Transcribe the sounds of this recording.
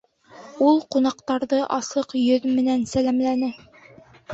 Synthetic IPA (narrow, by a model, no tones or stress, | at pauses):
ulˠqunɑqt̪ɑɾðɤʔɑsɤqjɵðmɘ̆nænsælæmlænɘ